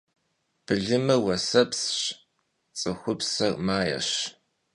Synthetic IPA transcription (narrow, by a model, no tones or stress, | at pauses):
b̥ɨɮɨmɨwɐsɐpsɕ | t͡sʼɨxʷʊpsɐrmaːjɐ̰ɕ